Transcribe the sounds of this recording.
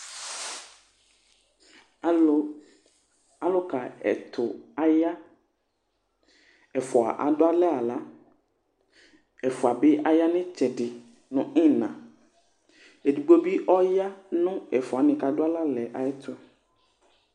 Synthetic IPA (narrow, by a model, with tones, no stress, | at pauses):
a˨˦ | a˨lo˦ka˨ɛ̰˨t̪ʰʊ˨a˨ja˦ | ɛ˨fɔ˨a̰˨ʔa̰˨dʊ˦a˦lɛ˦a˨la˦ | ɛ˨fɔ˨a˨bɪ˦ʔa˦ja˦nɪ̃˦t͡ʃɛ˨ɖɪ˨ | nʊ̃˨ɪ̃˦nã˨ | e˨du˨ɡ͡bo˦bi˦ʔɔ˦ja˦nʊ̃˦ɛ˨fɔ˨a˨nɪ̃˨ka˨dʊ˦a˦la˦lɛ˨ʔa˨ɛ˦t̪ʰʊ˦